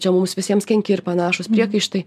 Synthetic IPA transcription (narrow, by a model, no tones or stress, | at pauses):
t͡ʃʲɛmʊmsʋʲɪsʲiɛmskʲɛŋʲkʲɪɪrpɐnɑːʃʊspʲɾʲiɛkɐɪʃt̪ɐɪ